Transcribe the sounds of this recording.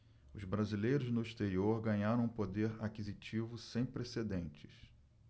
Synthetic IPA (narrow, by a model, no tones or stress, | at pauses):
ʊzbɾazilejɾʊznʊiʃt̪eɾioɾɡɐ̃ɲaɾɐ̃w̃ũpod̪eɾakizit͡ʃivʊsẽj̃pɾesed̪ẽnt͡ʃɪ̥s